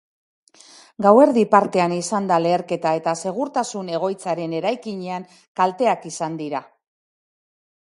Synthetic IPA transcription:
ɡawe̞ɾðipaɾt̪e̞anisand̪ale̞ːɾke̞t̪ae̞t̪ase̞ɣ̞uɾt̪asune̞ɣ̞o̞jt͡saɾe̞ne̞ɾajkiɲeaŋ | kalt̪e̞akisand̪iɾa

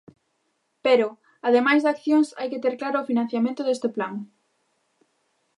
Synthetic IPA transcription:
peɾʊ | aðemajzðakθjoŋsajkɪt̪eɾklaɾʊːfinãn̟θjamẽnt̪ʊðest̪ɪplaŋ

